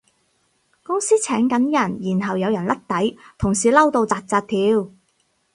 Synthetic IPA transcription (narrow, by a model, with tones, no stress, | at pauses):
kʊ˥ŋsiː˥t͡sʰɛː˨˥ŋkɐ˨˥njɐ˨˩njiː˨˩nɦɐ˨wjɐ˨˧wjɐ˨˩nlʔɐ˥k̚t̪ɐ˨˥jt̪ʰʊ˨˩ŋsiː˨˩lɐ˥wt̪o˧wt͡saː˧t̚t͡saː˧t̚t̪ʰiː˨˧w